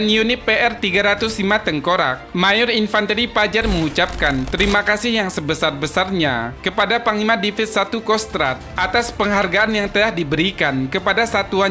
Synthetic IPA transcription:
njunɪpeʔɛrt̪iɡaɾat̪ʊslimat̪əŋkoɾa̰k̚majʊɾinfant̪əɾipad͡ʒarməŋut͡ʃap̚kant̪əɾimakasɪhjaŋsəbəsarbəsarɲa̰kəpadapaŋimadifɪt̪̚sat̪ukɔst̪ɾa̰t̪̚ʔat̪aspəŋɦarɡaanjaŋt̪əlahdibəɾikankəpadasat̪ua

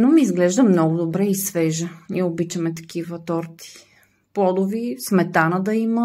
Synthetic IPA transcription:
nomiːzɡlɛʒd̪əmnɔɡʊd̪obɾɛisvɛʒəniɛobit͡ʃɐmɛt̪ɐ̥k̟ivət̪ɔɾt̪i̥ | pˠɔd̪ʊvismɛt̪anəd̪ɐimə

